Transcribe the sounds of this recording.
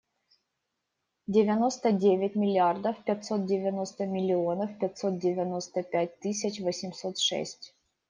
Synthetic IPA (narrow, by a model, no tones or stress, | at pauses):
dʲɪvʲɪno̞st̪ədʲevʲɪt̚ʲmʲɪlʲɪard̪əfpʲɛt̪ʲso̞t̪̚dʲɪvʲɪno̞st̪əmʲɪlʲɪo̞nəfpʲɪtʲso̞t̪̚dʲɪvʲɪno̞st̪əpʲæt̚ʲt̪ɨsʲɪt͡ɕvəsʲɪmso̞t̪ʂɛ̰sʲtʲ